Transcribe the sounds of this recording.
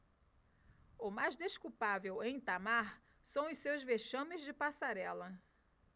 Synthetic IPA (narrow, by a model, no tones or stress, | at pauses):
ʊmajzd̪eʃkuwpavewẽj̃t̪amaɾ | sɐ̃w̃ʊsewzveʃɐ̃mɪzd͡ʒɪpasaɾɛlɐ